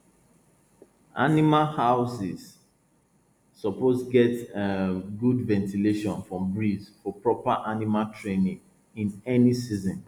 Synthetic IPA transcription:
a̰nimalhaʊsiz | ɔposɡɛt | ɡudvɛ̃ntileʃɔ̃nfɹɔ̃mbɹizfɔpɹɔpaʔanimaltʰɹẽnĩŋ | ĩnɛnisizɔ̃n

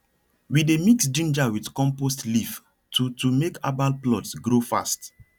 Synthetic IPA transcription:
widemiksd͡ʒĩnd͡ʒawidkɔ̃mpostlif | tutumekʰa̰balplɔtsɡɹofa̰st

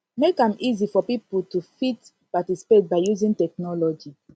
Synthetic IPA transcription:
mekãmizifɔpipultufit | patisi̥pet̚baɪjuzĩntɛk̚nɔlɔd͡ʒi

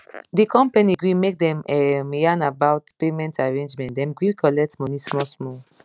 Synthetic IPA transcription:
dikɔ̃mpaniɡɹĩmek̚dɛ̃mɛmjanabaʊtpemɛ̃ntaɹẽnd͡ʒmɛ̃ntdɛ̃mɡɹĩkʰɔlɛk̚tmɔnismɔsmɔ

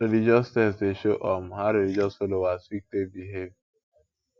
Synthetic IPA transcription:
elid͡ʒɔstɛseʃoʔɔm̩ɦaɾelid͡ʒɔsfolowasik̚tebiɦev

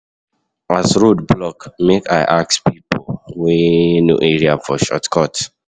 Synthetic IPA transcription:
asɹodblɔkmekaɪʔak̚spipʰolwenṵʔeɹiafɔʃɔ̰tkʰɔt

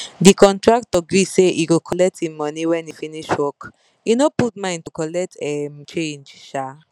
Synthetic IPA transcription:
dikɔ̃ntɹak̚tɔɡɹiseʔiɡokʰɔlɛk̚tĩmɔniwɛ̃nifiniʃwɔk | inoputmãɪ̃ntukɔlɛk̚tɛmt͡ʃẽnd͡ʒʃa

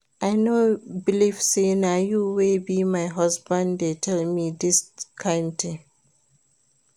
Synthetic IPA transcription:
ʔaɪnobilifsenajuwebimaɪɦʌsbãndetʰɛlmidɪskʰãɪ̃ndt̪ɪ̃ŋ

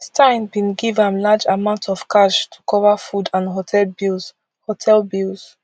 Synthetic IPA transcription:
stʰãɪ̃nbĩnɡivãmlad͡ʒamãʊ̃ntʰɔv̥kʰaʃtʰu̥kʰɔvafudãnɦotʰɛlbilˠz̥ | hotʰɛlbilz̥

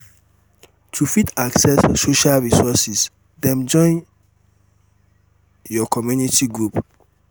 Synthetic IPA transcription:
tʰufitaksɛsːoʃalɹisɔsis | dɛ̃md͡ʒɔ̃ɪ̃n | jɔkʰɔmjunitiɡɹup

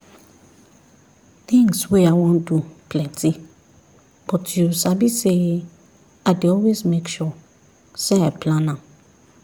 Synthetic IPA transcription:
θĩŋswɛaɪwɔ̃ndupʰlɛ̃ntʰi | b̥ɔtjusabise | adeɔlwezmekʃɔ | sɛapʰlãnã

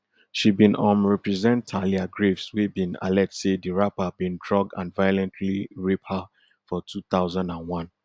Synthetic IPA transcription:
ʃibĩnɔ̃mɹɛpɹɛzɛ̃ntʰaliaɡɹevswebĩna̰lɛtsediɹapabĩndɹɔɡ̚dã̰nvajɔlɛ̃ntʰliɹepha | fɔtʰuθaʊzãndãnwɔ̃n

